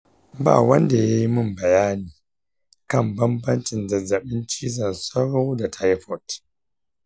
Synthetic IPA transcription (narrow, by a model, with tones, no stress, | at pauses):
ba̰ː˦˨wɐ˦nda˨ja˦ji˦mʊ˦˨mbɐ˨jaː˦niː˨ | kɐ˦˨mbɐ˦mbɐ˦nt͡ʃɪ˨ndɐ˨zɐ˨ɓɪ˦nt͡ʃiː˦zɐ˨nsɐ˦ɽo˦wda˨tʰa˦jɸɔ˨t